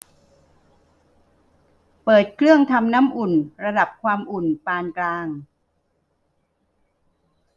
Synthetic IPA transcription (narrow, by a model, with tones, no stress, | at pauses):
pɤː˨˩t̪̚kʰlɯ˥˩əŋt̪ʰa˧mna˦˥mʔu˨˩nɾa˧da˨˩p̚kʰwaː˧mʔu˨˩npaː˧nklaː˧ŋ